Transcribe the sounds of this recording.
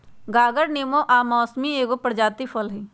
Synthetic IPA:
ɡaːɡəɾneːmõʔaːmɔːsmieːɡopəɾd͡ʒaːt̪ifʰəlɦi

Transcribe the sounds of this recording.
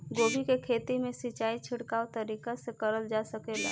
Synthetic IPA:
ɡoːbʱikekʰeːt̪imẽsit͡ʃaːit͡ʃʰɪɽkaːwt̪əɾikasekəɾəld͡ʒasəkela̰

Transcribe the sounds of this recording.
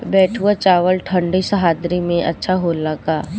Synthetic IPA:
bɛːʈʰuat͡ʃaːʋəlʈʰə̃ɳɖisɐɦaːd̪ɾimẽʔɐtːʃʰaɦoːlakaː

